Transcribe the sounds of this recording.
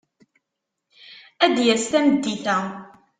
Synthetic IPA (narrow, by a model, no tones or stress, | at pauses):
æd̪jəɾst̪æməd̪ːit̪æ